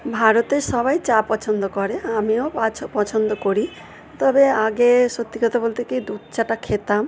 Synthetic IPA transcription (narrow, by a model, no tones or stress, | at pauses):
bʱaɾɔt̪esɔbajt͡ʃapɔt͡ʃʰɔnd̪ɔkɔɾeamiɔ̃pat͡ʃʰpɔt͡ʃʰɔnd̪ɔkɔɾi | t̪ɔbeaɡesɔt̪ːikɔt̪ʰabolt̪ikid̪ud̪t͡ʃaʈakʰet̪am